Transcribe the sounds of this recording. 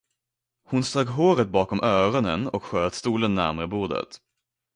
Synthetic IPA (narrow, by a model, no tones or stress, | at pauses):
hʊnst̪oːɡɦoːɾət̪̚bɑːkɔmʔœːɾɔnənɔkɧøːt̪st̪uːlənːæ̰ɾmæɾəbuːd̪ə̰t̪